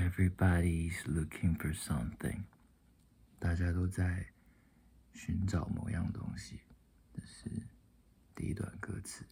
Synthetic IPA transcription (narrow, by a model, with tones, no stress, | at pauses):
ɛvɹibɑɾizlʊkʰɪ̃ŋfə˞sʌ̃˦mθɪ̰̃ŋ | t̪a˥˩t͡ɕja˥t̪o˥ʊt͡sa˥˩ɪ | ɕy˧˥nʈ͡ʂɑ˨˩ʊmo̰˨˧˦ʊjɑ˥˩ŋət̪ʊ̰˥ŋɕi˨ | nə˥˧ʂɻ̩˥˧ | t̪ḭ˥˧ḭ˥t̪wa̰˨˩nkɤ̰˥t͡sʰɹ̩˨˩˦